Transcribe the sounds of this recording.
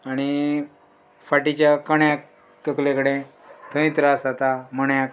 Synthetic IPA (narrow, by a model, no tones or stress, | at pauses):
aɽ̃i | faʈit͡ɕjakəɳjak̚ | t̪əklekəɽẽ | t̪ʰə̃ĩt̪ɾasat̪aməɳjak